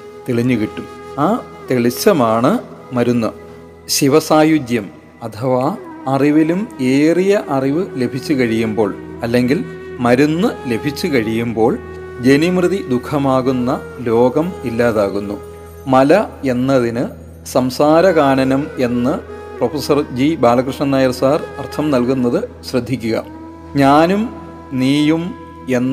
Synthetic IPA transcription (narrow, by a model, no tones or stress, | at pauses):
t̪eɭiɲːukiʈːumaːt̪eɭit͡ɕːɐmaːɳɨmɐɾunːɐ | ɕiʋɐsaːjud̪jɐm | ɐt̪ʰɐʋaɐriʋilume̞ːrijɐʔɐriʋɨle̞bʱit͡ɕːukɐɻijumbo̞ːɭ | ɐlːe̞ŋɡil | mɐɾunːɨle̞bʱit͡ɕːukɐɻijumbo̞ːɭ | d͡ʑe̞nimrɨðid̪ukʰːɐmaːɣunːɐlo̞ːɡɐmilːaːðaːɣunːu | mɐlɐe̞nːɐðinɨ | sɐmsaːɾɐɣaːɳɐnɐme̞nːɨ | profesɐrd͡ʑibaːɭɐkrɨʂɳɐnːaːjɐrsaːrɐrt̪ʰɐmnɐlkunːɐðɨ | ɕrɨd̪ʱːikʲːuɣɐ̰ | ɲaːnum | niːjum | e̞nː